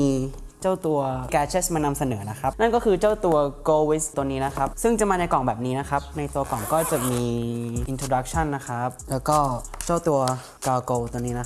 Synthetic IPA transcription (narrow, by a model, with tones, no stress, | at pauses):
iː˧ | t͡ɕa˥˩wt̪u˧ɐkɛː˧t͡ɕʰeː˦˥smaː˧na˧msa˧nɤː˩˦na˦˥kʰa˦˥p̚na˥˩nkɔː˥˩kʰɯː˧t͡ɕa˥˩wt̪u˧ɐkoː˧wi˦˥st̪ːu˧əniː˦˥na˦˥kʰa˦˥p̚sɯ˥˩ŋt͡ɕa˨˩maː˧na˧jkɔ˨˩˦ŋbɛː˨˩p̚niː˦˥na˦˥kʰa˦˥p̚na˧jt̪u˧ɐkɔ˨˩˦ŋkɔː˥˩t͡ɕa˨˩miː˧ʔi˧nt̪ʰoː˧da˦˥k̚t͡ɕʰa˥˩nːa˦˥kʰa˦˥p̚lɛː˦˥wwkɔː˥˩ | t͡ɕa˥˩wt̪u˧ɐ | kaː˧koː˧t̪u˧əniː˦˥na˦˥˦